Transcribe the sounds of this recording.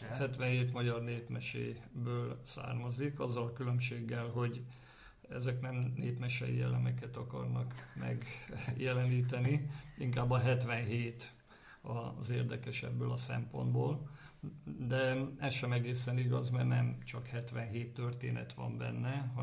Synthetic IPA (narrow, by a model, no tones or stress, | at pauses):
hɛt̪ʋɛnɦeːt̪mɒɟɒrneːpmɛʃḛːbøːlsa̰ːrmɒzikɒzːɒlɒkylømʃeːɡːɛlɦo̞ɟ | ɛzɛknɛmneːpmɛʃɛ̰jḭɛlɛmɛkɛt̪ɒkɒ̰rnɒkmɛ̰ɡjɛlɛniːt̪ɛniiŋkaːbːɒɦɛt̪ʋɛnɦeːt̪ | ɒzeːrd̪ɛkɛʃɛ̰bːøːlɒsɛ̰mpo̞̰nd̪boːl | d̪ɛɛsʃɛmɛɡeːsɛniɡɒzmɛrnɛmt͡ʃɒkhɛt̪ʋɛnɦeːt̪ːørt̪ḛːnɛ̰t̪ʋɒ̰mbɛ̰nːɛɦ